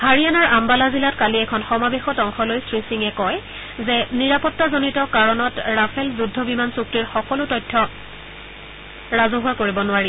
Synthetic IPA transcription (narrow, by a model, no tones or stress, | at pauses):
haɹijanaɹambalazilatkaliɛkʰɔnxɔmabexɔtɔŋxɔlojsɹisiŋɛkɔj | zɛniɹapɔtːazonitɔkaɹɔnɔtɹapʰɛlzudʱːɔbimansuk̚tiɹxɔkɔlʊtɔjtʰːɔ | ɹazʊɦʊakoɹibɔnʊaɹi